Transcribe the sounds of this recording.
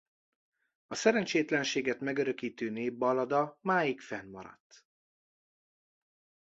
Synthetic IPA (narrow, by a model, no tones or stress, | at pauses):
ɒsɛɾɛnt͡ʃeːt̪lɛnʃeːɡɛt̪mɛɡøɾøkiːt̪øːneːbːɒlɒd̪ɒmaːjikfɛnmɒ̰ɾɒ̰t̪ː